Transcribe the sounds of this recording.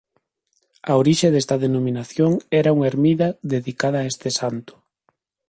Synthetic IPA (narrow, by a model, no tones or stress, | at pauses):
ɐoɾiʃeðɛst̪ɐðenomĩnaθjoŋɛɾɐuŋeɾmiðɐðeðikaðɐːest̪ɪsant̪ʊ̥